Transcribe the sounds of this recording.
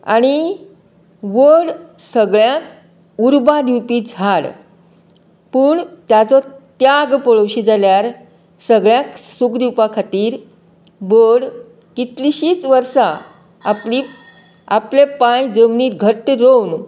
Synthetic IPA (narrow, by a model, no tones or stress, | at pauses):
a̰ɽ̃i | ʋəɽsəɡɭjãk | uɾbad̪ʱiwpid͡zʱaɽ | puːɳt̪jat͡sɔt̪jaɡpɔɭəwɕid͡zaljaɾ | səɡɭjãksukd̪iwpakʰat̪iːɾ | bəɽ | kit̪liɕiːt͡sʋəɾsa | a̰li | aplepajd͡zəmniːɡʱəʈɾown